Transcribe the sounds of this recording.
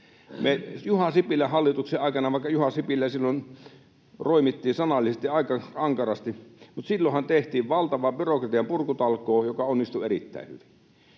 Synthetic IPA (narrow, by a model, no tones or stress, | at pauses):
mejuhɑsipilːæhɑlːit̪ukseʔɑˑikɑnɑʋɑˑikːɑjuhɑsipilːæsilːon | roˑimit̪ːiːnsɑnɑlːˑisest̪iɑˑikɑɑŋkɑrɑst̪imut̪silːohɑnt̪eht̪iːʋʋɑlt̪ɑʋɑbyrokrɑt̪iɑmpurkut̪ɑlkˑoːjokɑonːist̪uerḭt̪ːæ̰ˑihyʋi̥n